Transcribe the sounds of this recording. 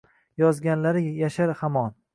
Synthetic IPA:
jɒzɡʲanlaɾɪjaʃaɾhamɒn

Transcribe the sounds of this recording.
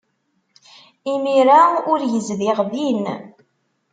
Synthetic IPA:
imiɾaʊɾjəzðiʁðin

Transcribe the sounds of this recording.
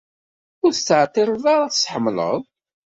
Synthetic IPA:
ʊɾθt͡sːəʕt̪ːiɾˤəðˤaɾˤaθsħəmːlə̰ðˤ

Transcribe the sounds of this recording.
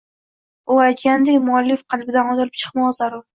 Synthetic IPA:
ʊajt̪̚kʲand̪ekʲmʊalːɪfqʰɑlbɪd̪anɒt̪ɪɾɪp̚t͡ʃʰɨ̥qmɒsaɾʊ

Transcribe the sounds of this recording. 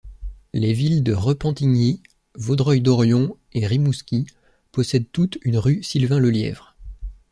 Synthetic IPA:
levild̪əʁəpɑ̃t̪iɲi | vod̪ʁɔjd̪ɔʁjɔ̃ | eʁimuskʲi | pɔsɛd̪̚t̪ut̪ynʁysilvɛ̃ləljɛ̰vʁ

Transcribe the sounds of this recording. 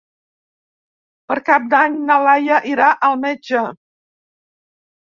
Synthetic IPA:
pəɾkap̚d̪aɲnəlajəʔiɾaʔəlˠmɛd͡ʒə

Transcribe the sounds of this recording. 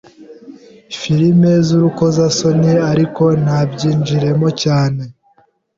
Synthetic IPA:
fiɾime̞zuɾuko̞zaso̞niaɾiko̞nabɟiːnd͡ʒiɾe̞mocaːne̞

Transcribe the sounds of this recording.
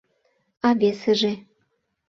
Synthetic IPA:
ɑβeseʒĕ

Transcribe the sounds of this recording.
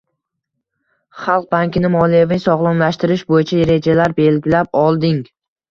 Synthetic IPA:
χɑlˠq̚baŋkʲɪnɪmɒlijevɪnɪsɒʁlˠʊmlaʃt̪ɪɾɪʃbojɪt͡ʃʰaeɾe̞d͡ʒalaɾbe̞lɡʲɪlap̚ɒlˠd̪ɪŋ

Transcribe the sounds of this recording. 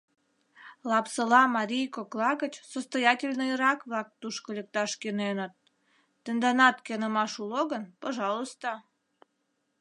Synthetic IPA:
lɑpsəlɑmɑɾʲijkoklˠɑɣət͡ɕsost̪ojɑtʲelʲnəəɾɑkβlɑk̚t̪uʃkolʲek̚t̪ɑʃkenenət̪̚ː | ənd̪ɑnɑt̪kenəmɑʃuloɣənpoʒɑlˠost̪o

